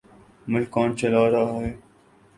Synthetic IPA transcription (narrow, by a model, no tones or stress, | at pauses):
mʊlkaːnt͡ʃəlaːɾaːɦɦeː